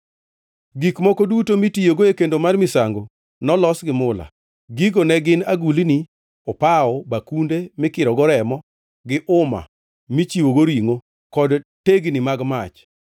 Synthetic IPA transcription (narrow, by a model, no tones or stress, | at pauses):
ɡikmɔkodutomitijoɡoekendomarmɪsaŋɡo | nɔlɔsɡɪmʊla̰ | ɡiɡonɛɡɪnaɡulini | ɔpaɔbakundemɪkɪɾɔɡɔɾɛmɔ | ɡɪʔʊma̰ | mit͡ʃiwoɡoɾiŋo | kɔdteɡnimaɡmat͡ʃ